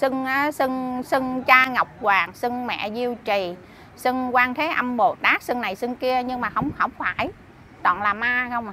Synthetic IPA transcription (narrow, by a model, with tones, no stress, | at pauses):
sɨ˧ŋʔaː˨˦sɨ˧ŋsɨ˧ŋt͡ɕaː˧ŋə˨˩wk͡p̚kwaː˨˩ŋsɨ˧ŋmɛ̰˧˨zi˧əwt͡ɕi˨˩ | sɨ˧ŋkwaː˧ŋt̪ʰe˨˦ʔə˧mɓo˨˩t̪aː˦˥k̚sɨ˧ŋna˨˩jsɨ˧ŋki˧əɲɨ˧ŋmaː˨˩xə˧wŋ͡mxə̰˧˩wŋ͡mfaː˧˩j | t̪ɔ̰ː˧˨nlaː˨˩maː˧xə˧wŋ͡m